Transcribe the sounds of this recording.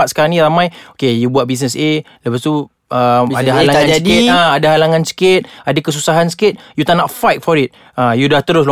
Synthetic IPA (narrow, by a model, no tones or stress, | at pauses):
at̪̚sə̥kaɾaŋnĩɾamãjokejubuat̚bis̬nəse | ləpast̪u | əmadaɦalaŋãnsiaadaɦalaŋãnsə̥kɪt̪̚adakəs̬usaɦansə̥kɪt̪̚jut̪anaʔfajt̪̚fɔɾit̪̚ | ajudaht̪əɾʊs̬lo